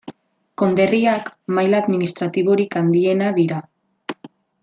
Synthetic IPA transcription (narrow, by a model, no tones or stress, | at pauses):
ko̞nd̪e̞riakmajlaːðminist̪ɾat̪iβ̞o̞ɾikand̪ie̞naðiɾa